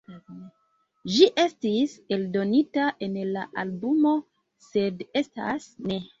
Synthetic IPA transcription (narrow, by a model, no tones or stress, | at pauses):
ʒiʔe̞stise̞ldo̞nitaʔe̞nla̰ʔalbumo̞ | se̞de̞sta̰sne̞